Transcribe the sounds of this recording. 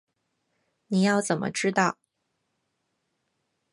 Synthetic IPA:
ni˨˩jɑ˥˩ʊt͡sə˨˩nmʔə̰˦ʈ͡ʂɻ̩˥t̪ɑ˥˩ʊ

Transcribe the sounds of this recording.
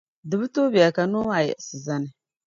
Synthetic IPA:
dɨ˨bɨ˦to˦bi˨a˨ka˨no˦a˨jɛ̰˨ʔsɨ˨za˦nɨ˨

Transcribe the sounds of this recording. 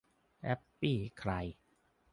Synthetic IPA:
ʔɛ˦˥pːiː˥˩kʰɾa˧j

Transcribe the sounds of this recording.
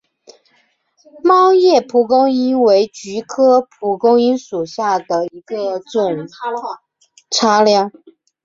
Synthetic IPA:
mɑ˥ʊjɛ˥˩pʰu˧˨˥kʊ˥ŋi˥nwe˧˥ɪt͡ɕy˧˥kʰɤ˥pʰu˨˥˩kʊ˥ŋi˥nʂu˨˩ɕja˥˩d̪ə˩i˧˥ɡə˧t͡sʊ˨˩ŋ | ʈ͡ʂʰa˥ljɑ˥˩ŋ

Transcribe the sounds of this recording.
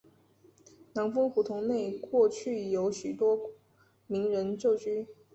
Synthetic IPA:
nɑ˧˥ŋfɤ˥ŋxu˨˥˩t̪ʰʊ˧˥ŋne˥˧ɪkwɔ˥˧t͡ɕʰy˥˩jo˧˥ʊɕy˨˩t̪wɔ˥ | mi˧˥ŋɻə˧˦˥nt͡ɕjo˥˩ʊt͡ɕʰy˥

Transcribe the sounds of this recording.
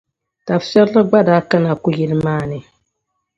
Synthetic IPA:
ta˨fsɛ˦llɨ˦ɡ͡ba˦daː˦ka˦na˨ku˦jɛ˨lɨ˦maː˦˨nɨ˨

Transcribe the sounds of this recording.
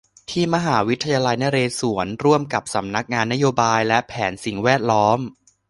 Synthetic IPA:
t̪ʰiː˥˩ma˧ɦaː˩˦wi˦˥t̪ʰːa˧jaː˧la˧jna˦˥ɾeː˧su˩˦ənɾu˥˩əmka˨˩p̚sa˩˦mna˦˥k̚ŋaː˧nːa˦˥joː˧baː˧jlɛ˦˥pʰɛː˩˦nsi˨˩ŋwɛː˥˩t̪̚lɔː˦˥m

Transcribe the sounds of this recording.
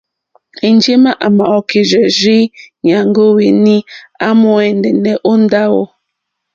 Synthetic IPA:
e˨n˦d͡ʒe˦ma˦ʔa˨ma˨ɔ˨ke˨d͡ʒɛ˨zi˦ɲa˨ŋ˦ɡo˦we˨ni˦a˦mɔ˦ɛ˨ndɛ˨nɛ˦ʔo˦n̩˦da˦wo̰˨

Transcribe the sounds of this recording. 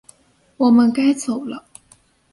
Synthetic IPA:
wɔ˨˩mə˦nka˥ɪt͡so˨˩ʊlə˦

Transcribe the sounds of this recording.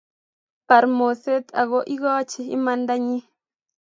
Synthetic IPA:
pa˨ɾmo˨se˦t̪a̰˨ɣɔ˦ʔi˦ɣɔ˦t͡ʃi˦ḭ˦ma˦nda˦ɲi˦

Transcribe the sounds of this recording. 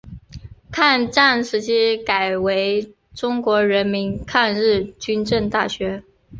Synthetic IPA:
kʰa˥˧nʈ͡ʂa˥˩nʂɻ̩˧˥t͡ɕʰi˥ka˨˩ɪwe˧˥ɪ | ʈ͡ʂʊ˥ŋkwɔ˧˥ɻə˧˥nmi˧˥nkʰa˥˧nɻɻ̩˥˩t͡ɕy˥nʈ͡ʂə˥˧ŋt̪a˥˩ɕɥɛ˧˥

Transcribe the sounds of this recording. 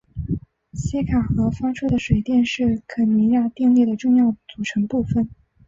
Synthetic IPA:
ɕi˥kʰa˨˩xɤ˧˥fa˥ʈ͡ʂʰu˥d̪ə˨ʂwe˨˩ɪt̪jɛ˥˧nʂɻ̩˥˩kʰɤ˧˨˥ni˧˥ja˥˧t̪i˥˧ŋli˥˩d̪ə˩ʈ͡ʂʊ˥˧ŋjɑ˥˩ʊt͡su˨˩ʈ͡ʂʰɤ˧˥ŋpu˥˩fə˨˩n

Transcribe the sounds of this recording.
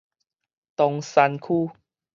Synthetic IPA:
t̪ɔ˧ŋsa˧nkʰuː˥˧˨

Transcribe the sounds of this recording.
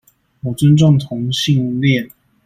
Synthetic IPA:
mu˨˩t͡sə˥nʈ͡ʂɑ˥˩ŋt̪ʰʊ˧˥ŋɕi˥˧ŋljɛ˥˨n

